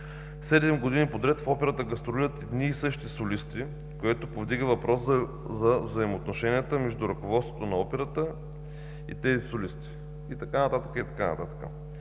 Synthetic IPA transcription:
sɛd̪ɛmɡod̪inipod̪ɾɛt̪fɔpɛɾət̪əɡɐst̪ɾoliɾət̪ɛd̪niːsɤʃt̪isolist̪i | koɛt̪opovd̪iɡəvɐpɾʔɔs | zɐvzɐimoːt̪noʃɛnʲijət̪əmɛʒd̪uɾɐkovɔt̪st̪vot̪onɐɔpɛɾət̪ə | ḭt̪ɛzisolist̪i̥ | it̪ɐkanɐt̪at̪əkəit̪ɐ̥kanɐ̰t̪at̪ə̥kə̰

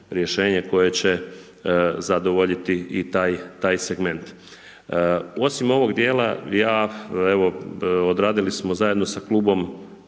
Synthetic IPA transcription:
ɾjeʃe̞ːɲeko̞jet͡ɕe | zad̪o̞ʋoʎit̪iit̪aːjt̪aːjseɡme̞nt̪ | o̞simo̞ʋoɡd̪jeːla̰jaːeʋo̞od̪ɾaːd̪ilismo̞zaje̞d̪nosakluːbo̞m

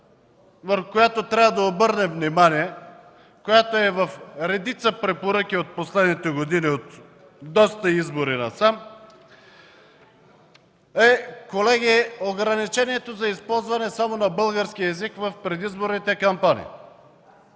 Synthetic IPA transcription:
vɐfkojat̪ot̪ɾʲabəd̪ɐobɤɾnɛvnimaniɛ | kojat̪oɛvɐfɾɛd̪it̪səpɾɛpoɾəkʲiot̪̚poslɛd̪nit̪ɛɡod̪iniot̪ | d̪ɔst̪əizboɾinɐsam | ɛkolɛɡʲioɡɾɐnit͡ʃɛniɛt̪ozɐispɔlˠzvɐnɛsamonɐbɤlˠɡəɾskiəɛzikvɐfpɾɛd̪izboɾnit̪ɛkɐmpanḭ

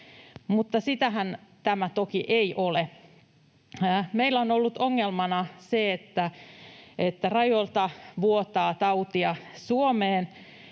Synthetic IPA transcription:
mut̪ːɑsit̪æɦænt̪æmæt̪okiʔeiʔole | meilːæonolːut̪oŋːelmɑnɑseet̪ːæ | et̪ːærɑjolt̪ɑʋuot̪ɑːt̪ɑut̪iɑsuomeːn

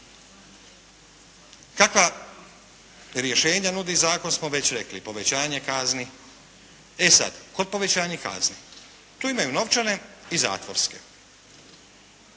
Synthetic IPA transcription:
kakʋa | ɾje̞ʃe̞ːɲanud̪izaːko̞nsmoʋe̞t͡ɕɾe̞klipo̞ʋe̞t͡ɕaːɲe̞kazni | e̞sa̰d̪̥ko̞d̪̚po̞ʋet͡ɕaːɲeka̰zni | t̪uːimajuno̞ʋt͡ʃane̞iza̰ːt̪ʋoɾske̞̥

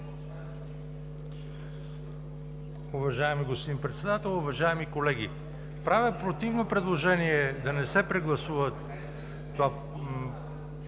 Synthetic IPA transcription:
ʊvɐʒaɛmiɡospod̪inpɾɛt̪sɛd̪at̪ɛlˠʊvɐʒaɛmikolɛɡ̟ʲi | pɾavɛpɾot̪ivnopɾɛd̪lˠoʒɛniɛd̪ɐnɛsɛpɾɛɡlˠɐsuvɐt̪ː | ova

